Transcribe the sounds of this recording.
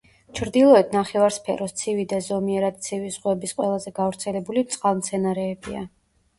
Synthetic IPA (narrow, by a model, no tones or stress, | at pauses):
t͡ʃʰɾd̪ilˠɔɛt̪ʰnaχɛvaɾspʰɛ̰ɾɔst̪sʰivid̪azɔmiɛɾad̪̚t̪sʰivizʁwɛbisqʼwɛlˠazɛɡavɾt̪sʰɛlɛbulit̪sʼqʼalˠmt̪sʰɛnaɾɛːbia